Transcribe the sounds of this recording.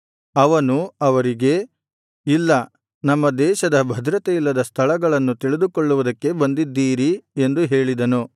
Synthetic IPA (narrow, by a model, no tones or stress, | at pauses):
ɐʋɐnuɐʋɐɾiɡe̞ | ilːɐ | nɐmːɐd̪ɛːʃɐd̪ɐbʱɐd̪ɾɐt̪ejilːɐd̪ɐst̪ʰɐɭɐɡɐɭɐnːut̪iɭid̪ukoɭːuʋud̪ɐkːe̞bɐnd̪id̪ːiːɾiend̪uɦe̞ːɭid̪ɐnu